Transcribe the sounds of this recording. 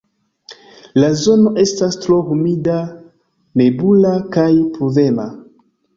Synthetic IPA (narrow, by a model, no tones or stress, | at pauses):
lazo̞no̞ʔe̞stastɾohumida | ne̞bulakajpovema̰